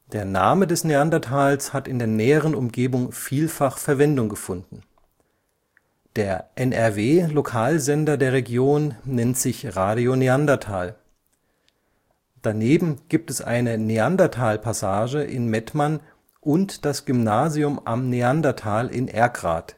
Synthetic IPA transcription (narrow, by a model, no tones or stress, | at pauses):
d̥eːɐnaːmədɛsneandɐtʰaːlshatɪndeːɐnɛːəʁənʊmɡeːbʊŋfiːlfaχfɛɐvɛndʊŋɡəfʊndn̩ | d̥eːɐʔɛnɛɐveːlokʰaːlzɛndɐdeːɐʁ̞eɡjoːnːɛntz̥ɪçʁaːɾioneandɐtʰaːl | d̥aneːbm̩ɡ̥iːp̚tɛsʔa̰ɪnəneandatʰaːlpʰasaːʒəʔɪ̰nmɛtman | ʔʊntd̥asɡ̥ʏmnaːzjʊmʔa̰mneandɐtʰaːlʔɪ̰nʔɛɐɡʁa̰ːt